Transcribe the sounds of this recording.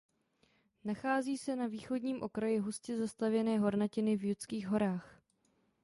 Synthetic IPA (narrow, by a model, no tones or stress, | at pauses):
naxaːziːsɛnaviːxo̞dɲiːmʔo̞kɾajɪɦuscɛzast̪avjɛnɛːɦo̞ɾnacɪnɪvjut͡skiːɣɦo̞ɾaːx